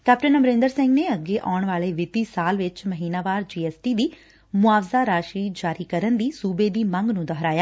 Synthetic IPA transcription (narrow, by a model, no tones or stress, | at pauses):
kɛːpʈənəmɾẽnd̪əɾsɪ̃ŋɡneːəɡeːʔaːʊɳʋaːleːʋɪt̪iːsaːlʋɪt͡ʃməɦiːnaːʋaːɾd͡ʒiːɛːsʈiːd̪iː | mʊaːʋzaːɾaːʃiːd͡ʒaːɾiːkəɾənd̪iːsuːbeːd̪iːmə̃ŋɡnũːd̪əɦɾaːjaː